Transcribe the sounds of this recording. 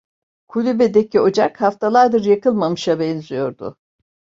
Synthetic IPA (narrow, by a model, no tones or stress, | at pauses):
kʰulʲybed̪ecʰio̞d͡ʒakhaft̪ʰalˠaɾd̪ɯɾjakʰɯlˠmamɯʃabɛnzijo̞ɾd̪ʊ̰